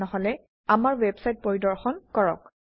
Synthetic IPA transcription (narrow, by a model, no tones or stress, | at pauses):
ɔɦɔlɛ | amaɹwɛbsajt̚poɹidɔɹxɔnkɔɹɔ̰k